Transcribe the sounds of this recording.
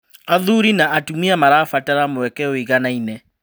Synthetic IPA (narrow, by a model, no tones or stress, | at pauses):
aðuɾinaʔatumiamaɾafataɾamowɛkɛoiɣanainɛ